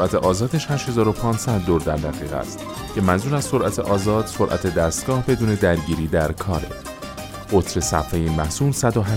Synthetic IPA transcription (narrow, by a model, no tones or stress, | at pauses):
oʔæt̪ʰe̞ʔɒːzɒːd̪eʃhæʃhe̞zɒːɾo̞pʰɒːnsæd̪ːoɾd̪æɾd̪æɣiːɣæ̰st̪ | cʰe̞mænzuːɾæzso̞ɾʔæt̪ʰḛʔɒːzɒːd̪̥so̞ɾʔæ̰t̪ʰe̞d̪æst̪̚ɡ̥ɒːhbe̞d̪uːne̞d̪æɾɟiːɾiːd̪æɾkʰɒːɾḛ | ɢo̞t̪ʰɾe̞sæfhejinmæhsuːlsæd̪oɦæ